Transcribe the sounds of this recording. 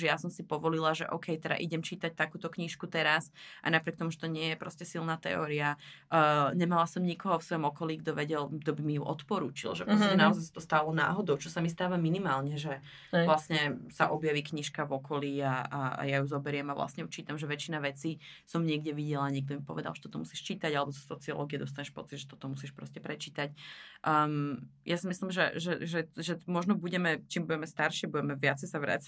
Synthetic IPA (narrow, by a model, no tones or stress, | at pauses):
ʒɛjasɔmsipɔʋɔlilaʒɛʔɔ̰ʊkɛjt̪ɛda̰ʔḭɟɛmt͡ʃiːt̪ac̚t̪akuːt̪ɔkɲiʃkut̪ɛɾasʔa̰napɾɪɛk̚t̪ɔmuʒɛt̪ɔɲɪɛjɛpɾɔscɛsilnaːt̪ɛ̰ɔ̰ːɾia | ɲɛmalasɔmɲikɔɦɔfsʋɔjɔmɔkɔliːɡd̪ɔʋɛɟɛlɡd̪ɔbimijuʔɔt̪pɔɾṵːt͡ʃḭlʒɛpɾɔɛnaɔzajsḁt̪ɔst̪aːlɔna̰ːɦɔd̪ɔʊt͡ʃɔsamist̪aːʋaminimaːlɲɛʒɛ | ʋlasɲɛsaʔɔbjaʋiːkɲiʃkavɔkʰɔliːaa̰jajuzɔbɛɾɪɛmavla̰sɲɛjut͡ʃiːt̪amʒɛʋɛt͡ʃinaʋɛt͡siːsɔmɲɪɛɡɟɛʋiɟɛlaɲɛɡ̚d̪ɔmipɔʋɛd̪a̰lʒɛt̪ɔt̪ɔmusiːʃt͡ʃiːt̪aɟalɛbɔsḁsɔt͡siɔ̰lɔ̰ːɡiɛd̪ɔs̬t̪aɲɛʃpɔ̰t͡sid̪ʒɛt̪ɔt̪ɔmusiːʃpɾɔ̰scɛpɾɛt͡ʃiːt̪acʔmjasimislimʒɛ̰ʒɛʒɛʒɛmɔʒnɔbuɟɛmɛt͡ʃiːmbuɟɛmɛst̪aɾʃibuɟɛmɛʋɪat͡sɛjsaʋɾa̰ːt͡s